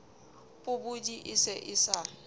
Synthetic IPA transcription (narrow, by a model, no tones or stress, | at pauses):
pʼʊbʊdiʔɪsɛʔɪsa